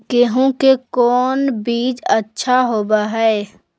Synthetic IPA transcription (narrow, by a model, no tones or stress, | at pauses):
keɦõkekɔːnbiːd͡ʒətːʃʰaɦoːbaɦɛː